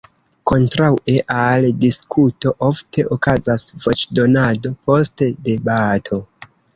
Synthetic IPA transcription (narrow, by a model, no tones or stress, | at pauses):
ko̞ntɾawʔeʔaldiskʰuto̞ʔo̞ftʰe̞ʔokazasvo̞t͡ʃdo̞nado̞po̞stede̞batʰo̞